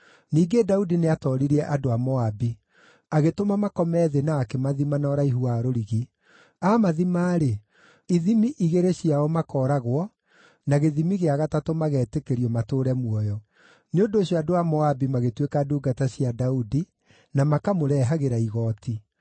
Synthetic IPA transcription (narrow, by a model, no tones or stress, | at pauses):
niːɡedaudineatɔɾiɾiɛʔadoamɔabi | aɣetomamakɔmɛðenaːkemaðimanɔɾaiɦuaɾoɾiɣi | amaðimaːɾe | iðimiʔiɣeɾeɕiaɔmakɔːɾaɣwɔ | naɣeðimiɣeaɣatatomaɣɛːtekeɾiɔmatoːɾɛmwɔjɔ | neondoːɕjɔadoamɔabimaɣetwekaduːɡataɕjadaudi | namakamoɾɛɦaɣeɾaiɣɔːti